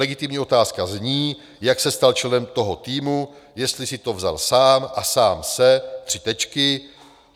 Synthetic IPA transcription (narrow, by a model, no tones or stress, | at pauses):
ɛɡɪt̪ɪmɲiːo̞t̪aːskazɲiː | jaksɛst̪alt͡ʃɛnɛmt̪o̞ɦo̞t̪iːmu | jɛst̪lɪsɪt̪o̞vza̰lsaːmʔasaːmsɛt̪r̝̥ɪt̪ɛt͡ʃkɪ